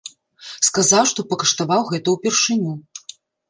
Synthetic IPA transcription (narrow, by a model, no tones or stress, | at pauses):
skazawʂt̪ɔpɐkɐʂt̪avawɣɛt̪ɐwpʲɛrʂɨnʲu